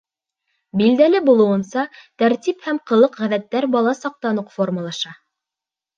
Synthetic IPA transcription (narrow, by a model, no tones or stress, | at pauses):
bild̪ælɘbulˠɤ̆wɤ̆nsɑt̪æɾt̪iphæmqɤ̆lˠɤqʁæðæt̪ːæɾbɑlˠɑsɑq̚t̪ɑnoqforməlˠɑʃɑ